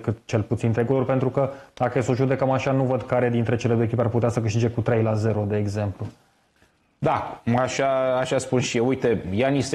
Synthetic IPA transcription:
kɨt̪t͡ʃe̞lput̪sint̪ɾeɡulorpent̪ɾukəd̪akəjesoʒud̪e̞kəmaʃanuvəd̪kaɾe̞d̪int̪ɾe̞t͡ʃe̞le̞d̪ojekipearput̪easəkɨʃt̪id͡ʒe̞kut̪ɾe̞jlaze̞ɾod̪e̞ːɡze̞mplu | d̪aaʃaaʃaspunʃijewujt̪ejanis

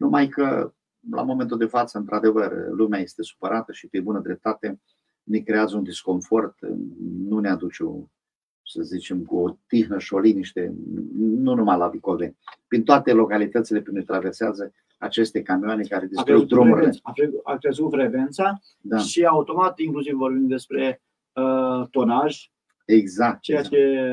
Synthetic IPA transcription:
numajkə̰ | la̰mo̞me̞nt̪uld̪e̞fat̪səɨnt̪ɾad̪e̞vərlumeaje̞st̪e̞su̥pəɾat̪əʃipɾibunəd̪ɾe̞p̚t̪at̪e̞ | mikɾe̞azəund̪isko̞ɱfo̞rt̪nunead̪ut͡ʃe | səzit͡ʃemkuot̪ixnəʃo̞liniʃt̪ḛ | nunumalavikold̪ḛpɾint̪oat̪e̞lo̞kalit̪ət̪sile̞kɨnet̪ɾaverseazə | at͡ʃe̞st̪e̞kamioane̞kaɾed̪iskud̪ɾomuɾieaakɾezut̪fɾevent̪sa | d̪aʃiaut̪o̞mat̪iŋklus̬ivvo̞rbind̪d̪e̞spɾe̞ | ət̪onaʒ | eɡzak̚t̪t͡ʃejae

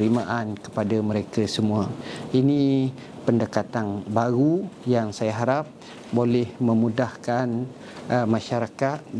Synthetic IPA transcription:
ɾimaʔankə̥padaməɾekasəmuaini | pəndəkat̪anbaɾujaŋsajaɦaɾap̚ | bolɛhməmũdahkan | mãʃaɾakat̪̚

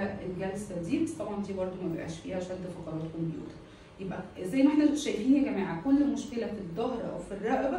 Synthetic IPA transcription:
æʔelɡælsæd̪iːbæst̪ˤɑbʕɑnd̪iːbɑɾˤd̪ˤomæbebʔæ̰ːʃfiːhæʕaʃæːnt̪æfɑqɑɾˤɑːt̪̚kombjṵːt̪ɑ̥ɾ | jebʔæzæjːmæʔent̪æt̪ʃæːʔiːnæɡæmæːʕakolːmoʃkelæfid̪ˤːɑɦɾˤɑʔæ̰wfirˤːɑʔbæ

